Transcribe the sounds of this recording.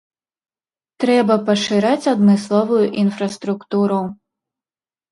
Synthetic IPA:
t̪ɾɛbɐpɐʂɨɾat͡sʲɐd̪mɨslˠɔvʊjuʔinfɾɐst̪ɾukt̪uɾu

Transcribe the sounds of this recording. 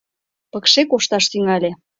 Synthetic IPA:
pəkʃekoʃt̪ɑʃt̪yŋɑlʲe

